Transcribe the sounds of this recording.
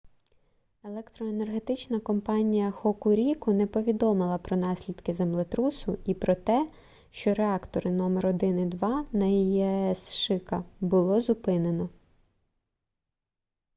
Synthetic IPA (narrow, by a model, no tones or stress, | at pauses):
e̞lˠɛkt̪ɾɔene̞rɦe̞t̪ɪt͡ʃnɐkɔmpɑnʲijɐxɔkʊɾʲikʊnɛpɔʋʲid̪ɔmɪlˠɐpɾɔnɑsʲlʲid̪̥kɪzemlˠet̪ɾusʊipɾɔt̪ɛ | ʃt͡ʃɔɾeɑkt̪ɔɾɪnɔmeɾɔd̪ɪnɪd̪ʋɑnɐiɛsʃɪkɐbʊlˠɔzʊpɪne̞nɔ